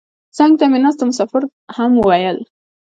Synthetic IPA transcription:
t͡sɑŋɡ̚t̪amɪnast̪omʊsɑfɪɾ | hamwəwajəl

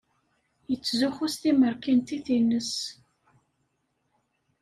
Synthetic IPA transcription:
jət͡sːzuχust̪iməɾkint̪iθinːəs

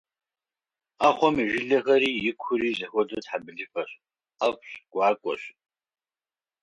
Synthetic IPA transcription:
aːχʷɔmiʒɪɮɐxɐɾiːjɪkʷʰʊɾiːzɐxʷɔdɐtħabɨɮɨpɐɕʼ | apʷɕɡ̥ʷɑːkʷʼɔ̰ɕ

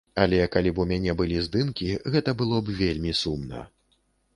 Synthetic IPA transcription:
ɐlʲɛkalʲipumʲanʲɛbɨlʲizd̪ɨmkʲiɣɛt̪ɐbɨlˠɔbvʲelʲmʲisumnɐ̰

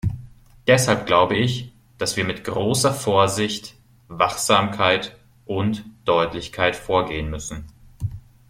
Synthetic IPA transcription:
d̥ɛshalp̚ɡ̥laʊbəɪç | d̥asv̥iːɐmɪtɡ̥ʁoːsɐfoːɐzɪçt | vaχz̥aːmkʰaɪt | ʔʊntd̥ɔʏtlɪçkʰaɪtfoːɐɡeːənmʏsn̩

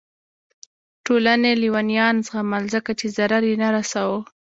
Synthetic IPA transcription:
ʈolaneliwɑnjɑnzɣamalzəkat͡ʃezaɾaɾjenaɾasawə

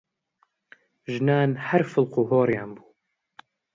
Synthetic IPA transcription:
ʒɨnaːnhɐɾfɪlquːɦoːɾjaːnbuː

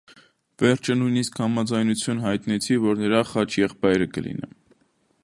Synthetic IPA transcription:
vɛɾt͡ʃʰənujniskhɑmɑd͡zɑjnut͡sʰjunɦɑjt̪nɛt͡sʰivɔɾnəɾɑχɑt͡ʃʰjɛχpɑjɾəkə̰lḭnɛ̰m

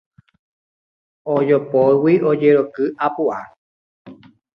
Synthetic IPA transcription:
od͡ʒopowiʔod͡ʒeɾokɨʔapuʔa

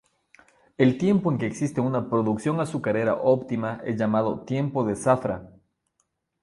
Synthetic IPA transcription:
e̞lt̪je̞mpo̞e̞ŋke̞ːksist̪e̞unapɾo̞ðuksjo̞ŋasukaɾe̞ɾa̰ʔopt̪imaʔezʝamaðo̞̰t̪je̞mpo̞ðe̞safɾa̰

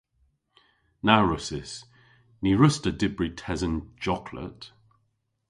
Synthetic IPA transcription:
naʊɹʊsɪs | niɹəstədɪbɹitʰɛzə̃nd͡ʒɒkʰlə̰t

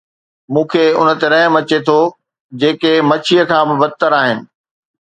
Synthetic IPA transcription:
mũːkʰeʊ̰nə̆t̪eɾɐ̃ɦmɐt͡ɕet̪ʰo | d͡ʑeːkemɐt͡ɕʰijəkʰãːbɪbɐd̪̚t̪əɾaːɦɪnɪ̆

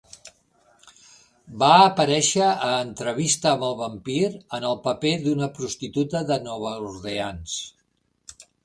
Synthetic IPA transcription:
baəpəɾɛʃəːnt̪ɾəβist̪əːməlˠβəmpiɾənəlˠpəpeðunəpɾust̪it̪ut̪əðənɔβ̞əuɾðeans

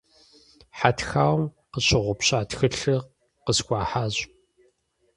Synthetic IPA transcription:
ħatxaːwm | qəɕɪʁʷʊpɕaːtxɨɬɨ | qəskʷʼɑːħaːʑ

